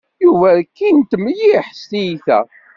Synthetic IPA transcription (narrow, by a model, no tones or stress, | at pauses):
juvækːint̪ːmjiħst̪ijiθæ̰